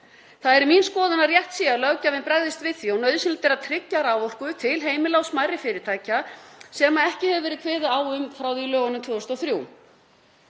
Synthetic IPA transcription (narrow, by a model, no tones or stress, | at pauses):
θaðɛɾminskɔːðʏnarjɛht̪sialœwcavɪnpɾaɣðɪst̪vɪðθiɔnœɥðsɪnt̪ɛɾaðt̪ʰɾɪcːaɾawvɔr̥kʏt̪ʰɪlɦeːjmɪlawsmajrɪfɪːɾɪɾ̥t̪ʰaːjcasɛmaɛhcɪhɛvɪvɛːɾɪðkʰveːðʏaːwʏmfɾawðilœːɣanʏmt̪ʰvʏːɔst̪ɔwθɾjuːw